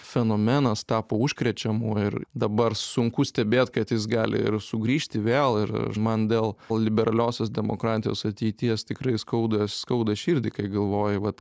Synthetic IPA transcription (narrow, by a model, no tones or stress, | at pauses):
fʲɛnoːmʲɛnɐst̪ɑːpoːuʃʲkɾʲɛt͡ʃʲɛmoːɪrd̪ɐbɐrsʊŋkʊsʲt̪ʲɛbʲeːt̪kɐt̪jɪs̬ɡɑːlʲɪ̰ɪ̰ɾsʊɡɾʲiːʃʲt̪ʲɪʋʲeːlˠɪɾ̰mɐnd̪ʲeːlˠlˠlʲɪbʲɛɾɐlʲoːsʲoːsd̪ʲɛmo̰ːkɾɑːt̪ʲɪjo̰ːsɐt̪ʲɛɪt̪ʲiɛst̪ʲɪkɾɐɪskɐʊd̪ɐsskɐʊd̪ɐʃʲiːɾʲd̪ʲɪkɐɪɡɐlˠʋoːjɛʋɐt̪